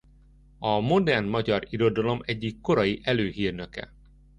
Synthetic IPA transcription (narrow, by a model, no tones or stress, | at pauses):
ɒmo̞d̪ɛrnmɒɟɒɾiɾo̞d̪ɒlo̞mɛɟːikːo̞ɾɒjiʔɛløːɦiːrnøkɛ̰